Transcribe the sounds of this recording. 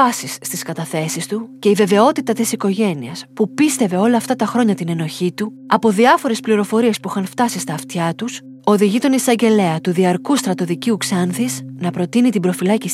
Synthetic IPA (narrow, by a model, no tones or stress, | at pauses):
ɐsisːt̪iskɐt̪ɐθe̞sist̪uce̞ive̞ve̞o̞t̪it̪ɐt̪isiko̞ʝe̞niɐspupist̪e̞ve̞o̞lɐːft̪ɐt̪ɐxɾo̞ɲɐt̪ine̞no̞çit̪u | ɐpo̞ðiɐfo̞ɾe̞spliɾo̞fo̞ɾie̞spuixɐnft̪ɐsist̪ɐːft̪çɐt̪us | o̞ðiʝit̪o̞nisɐɲɟe̞le̞ɐt̪uðiɐɾkust̪ɾɐt̪o̞ðiciuksɐnθisnɐpɾo̞t̪init̪ibɾo̞filɐcis